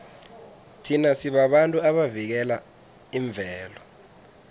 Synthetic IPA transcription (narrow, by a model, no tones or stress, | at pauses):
tʰinasiɓaɓantʼuaɓavik̬ɛla | iɱb̪vʱɛːlɔ